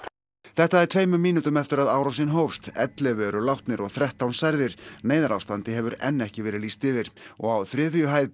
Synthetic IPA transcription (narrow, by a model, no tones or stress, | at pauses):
θɛht̪aɛɾt̪ʰveːjmʏmːiːnut̪ʏmɛft̪ɪɾaðaːwɾawsɪnɦoːwfst̪ɛ̰t̪lɛvɛɾʏlawht̪nɪɾɔɣθɾɛht̪ːawnsajɾðɪɾ̥neːjðaɾawst̪ant̪ɪɦɛvʏɾɛnːɛhcɪvɛːɾɪðliːst̪ɪvɪɾ̥ɔɣawθɾɪːðʏjʏɦaːjð